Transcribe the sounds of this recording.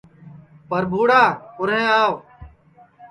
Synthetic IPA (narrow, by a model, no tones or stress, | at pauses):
pəɾbʱuːɽaːkʊɾẽːaːʋ